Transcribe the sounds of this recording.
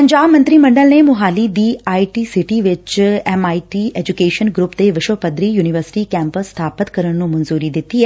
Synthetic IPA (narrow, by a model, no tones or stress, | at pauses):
pɐɲd͡ʒaːmə̃nt̪ɾimɐ̃ɳɖəlnemʊɦaːlid̪iːaːiʈiːsɪʈiʋɪt͡ʃɛmaːiʈiʔeːd͡ʒukeːʃənɡɾʊpd̪eʋɪʃopəd̪ɾijuːniʋəɾsɪ̥ʈikɛ̃ːmpəsːt̪ʰaːpət̪kəɾəɽ̃nũmɐnzuːɾid̪ɪt̪iɦɛ